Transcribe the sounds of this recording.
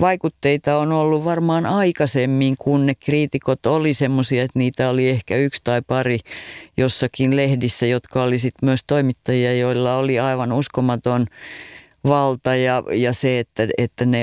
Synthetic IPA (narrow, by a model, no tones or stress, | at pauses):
ʋɑikut̪ːeit̪ɑonolːuʋʋɑrmɑːnɑikɑsemːiŋkunnekkriːt̪ikot̪olisemːosiɑet̪niːt̪æoliehkæykst̪ɑipɑrijosːɑkinlehdisːæjot̪kɑolisit̪myøst̪oimit̪ːɑjiɑjoilːɑoliɑiʋɑnuskomɑt̪on | ʋɑlt̪ɑjɑjɑseet̪ːæet̪ːæne